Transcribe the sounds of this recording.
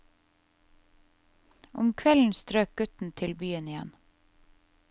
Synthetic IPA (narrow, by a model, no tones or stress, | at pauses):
ʔʊ̰mkʰʋɛln̩st̪ɾøːk̚ɡ̥ʉt̪n̩t̪ʰɪlbyːənɪjɛ̰n